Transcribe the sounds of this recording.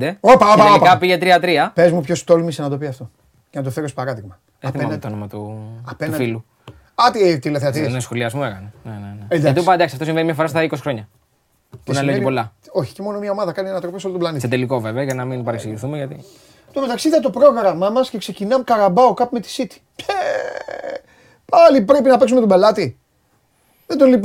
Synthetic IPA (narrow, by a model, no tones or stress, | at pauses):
d̪eopɐoikɐpiʝet̪ɾiɐt̪ɾiɐpe̞zmupçost̪olmisenɐt̪o̞piɐft̪o̞ | cenɐt̪ofeɾospɐɾɐðiɣmɐ | est̪imonomɐt̪uɐpeufilu | ɐt̪it̪ileθeɐt̪inesxoliɐzmuekɐneneneneɐt̪iupɐd̪ɐksiɐft̪oĩmvenimɲɐfo̞ɾɐst̪ɐiko̞si̥xɾo̞ɲɐ | pnɐleojipo̞lɐo̞çi̥cemo̞nomiɐo̞mɐðɐkɐniɐnɐt̪ɾo̞pisolot̪olɐnitset̪eliko̞ve̞veɐʝɐnɐminpɐɾeksiɣiθumeʝɐt̪i | t̪omet̪ɐksiðɐt̪o̞pɾo̞ɣɾɐmɐmɐsce̞kse̞cinɐmkɐɾɐbɐokɐpume̞t̪i̥sit̪i̥ | e | pɐlipɾepinɐpe̞ksumet̪obe̞lɐt̪i | ðed̪olip